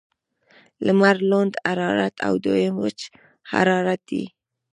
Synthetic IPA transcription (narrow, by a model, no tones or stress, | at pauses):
ləmaɾlond̪aɾɑɾa̰t̪ʰa̰wd̪ojəmwət͡ʃ | ha̰ɾɑɾat̪̚d̪ḭ